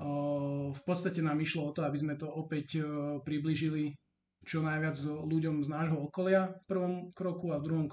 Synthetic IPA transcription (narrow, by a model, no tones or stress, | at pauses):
fpɔt̪st̪acɛnaːmiʃlɔɔt̪ɔabizmɛt̪ɔɔpɛcpɾibliʒili | t͡ʃɔnajʋɪad͡zluɟɔmznaːʒɦɔɔkɔlɪafpr̩ʋɔmkɾɔkuavd̪ɾuɦɔmk